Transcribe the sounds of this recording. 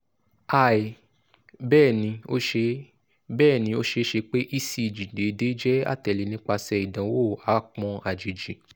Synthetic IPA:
a˦˨i˨ | bɛː˦˨nĩ˧o˦ʃe˧ | bɛː˦˨nĩ˧˦o˦ʃe˧˦ʃe˧k͡pe˦ʔi˦si˧˨d͡ʒi˨de˨˦de˨˦d͡ʒɛ˦a̰˦˨tɛ˨li˨˧nĩ˦k͡pa˧sɛ˧i˨dã˨˦wo˦˨a˨˦k͡pɔ̃˧a˨d͡ʒi˨d͡ʒi˨

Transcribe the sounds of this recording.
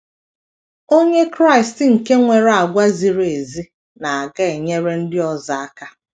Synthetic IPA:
o˦ɲe˦kɾa˦˨ɪ˨stɪ˨ŋ̩˨ke˦ŋʷe˨ɾa˨ɡʷa˦zi˨ɾe˨zi˦ | na˨a˨ɡa˦e˨ɲe˦ɾe˦n̩˦dɪ˦ɔ˨za˨a˦ka˦

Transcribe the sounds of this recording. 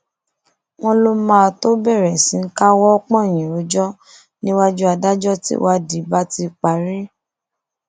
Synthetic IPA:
w̃ɔ̃˧lo˧mãː˦˨to˦bɛ˦˨ɾɛ˨sĩ˨˦ŋ̩˦ka˦wɔ˦ɔ˦k͡pɔ̃˦˨j̃ĩ˨ɾo˨˦d͡ʒɔ˦ | nĩ˦wa˦d͡ʒu˦a˧da˦d͡ʒɔ˦tḭ˦wa˦di˨˦ba˦ti˧k͡pa˨ɾi˦

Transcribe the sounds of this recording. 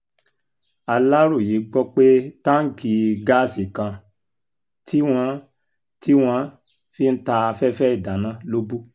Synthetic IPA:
a˧la˦ɾu˦˨ji˨˦ɡ͡bɔ˦k͡pe˦tã˦ŋ̩˦ki˧ɡa˦˨si˨kã˧ | tʰi˦w̃ɔ̃˧ | tʰi˦w̃ɔ̃˧ | fi˦˧n̩˦ta˧fɛ˦fɛ˦i˦˨da˨nã˧˦lo˦bu˦

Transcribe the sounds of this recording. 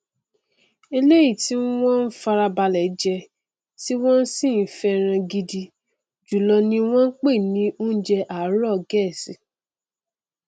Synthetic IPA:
e˧le˦ji˦˨ti˦w̃ɔ̃˦n̩˦fa˧ɾa˧ba˧lɛ˨˦d͡ʒɛ˧ | ti˦w̃ɔ̃˦n̩˦sĩ˦˨n̩˨˦fɛ˧˦ɾ̃ã˧ɡi˧di˧ | d͡ʒu˨lɔ˧nĩ˧w̃ɔ̃˦k͡pe˦˨nĩ˦o˦n̩˦d͡ʒɛ˧ʔa˨˦ɾɔ˦˨ɡɛ˦˨si˨˦

